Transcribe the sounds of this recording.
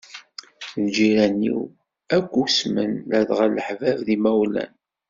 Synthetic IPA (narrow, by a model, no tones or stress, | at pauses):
ðd͡ʒiɾænːḭw | ækʷːusmənlæðʁələħvævðimæwlæ̰n